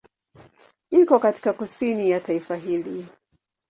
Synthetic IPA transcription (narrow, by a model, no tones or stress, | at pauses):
ikɔkati̥kakusinijataifaɦili